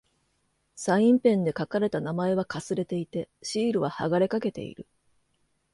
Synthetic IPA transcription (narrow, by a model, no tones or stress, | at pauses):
saĩmpẽ̞nd̪e̞kakaɾe̞t̪anamae̞β̞akasɨɾe̞t̪e̞it̪e̞ɕiːɾɯ̟βaha̰ɡaɾe̞kake̞t̪e̞̰ḭɾɯ̟